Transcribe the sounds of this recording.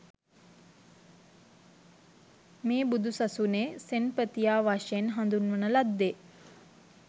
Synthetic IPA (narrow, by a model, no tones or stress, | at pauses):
meːbud̪ʱusasuneːsenpət̪ijaːʋaʃenɦand̪unʋənəlad̪ːe